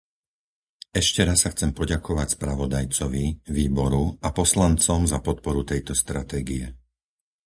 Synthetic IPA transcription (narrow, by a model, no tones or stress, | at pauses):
ɛʃcɛɾasːaxt͡sɛmpɔɟakʰɔʋacspɾaʋɔd̪ajt͡sɔʋiʋiːbɔɾuapɔslant͡sɔmzapɔt̪̚pɔɾut̪ɛjt̪ɔst̪ɾat̪ɛːɡiɛ